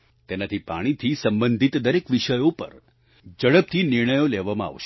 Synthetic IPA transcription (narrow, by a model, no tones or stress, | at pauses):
t̪enat̪ʰipa̰ɽ̃it̪ʰisəmbənd̪ʱit̪d̪əɾekʋiʃəjopə̰ɾ | d͡ʒəɽəb̚t̪ʰinɪɾɳ̃əjolɛʋamãa̰ʋʃe